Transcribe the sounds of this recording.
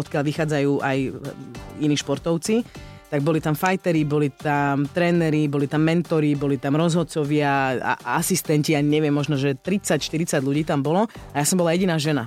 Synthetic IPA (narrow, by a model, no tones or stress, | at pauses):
ɔt̪kɪalʋixaːd͡zajuːʔaj | iniːʃpɔɾt̪ɔʊt͡sit̪aɡbɔlit̪amfajt̪ɛɾibɔlit̪amt̪ɾɛːnɛɾibɔlit̪amːɛnt̪ɔɾibɔlit̪amɾɔzɦɔt̪t͡sɔʋɪaa̰asist̪ɛnciaɲɛʋɛmːɔʒnɔʒɛt̪ɾit͡sacʃt̪iɾit͡saɟʎuɟiːt̪ambɔlɔajasɔmbɔlajɛɟinaːʒɛna̰